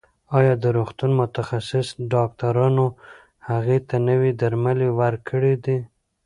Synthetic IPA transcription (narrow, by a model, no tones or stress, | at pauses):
ɑjɑd̪əɾoxt̪unmʊt̪axasɪsɖɑk̚t̪aɾɑno | haɣet̪anəwid̪aɾmalewaɾkʰəɽed̪i